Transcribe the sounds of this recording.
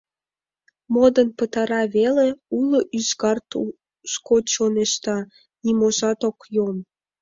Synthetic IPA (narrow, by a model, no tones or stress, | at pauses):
mod̪ənpət̪ɑɾɑβeleuloʔyʃɣɑrt̪u | ʃkot͡ɕoneʃt̪ɑ | nimoʒɑt̪okjon